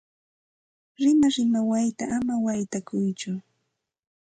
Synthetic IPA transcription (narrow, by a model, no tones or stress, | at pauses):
ɾɪnaɾɪmawajt̪aʔːmawajt̪akʊjt͡ʃʊ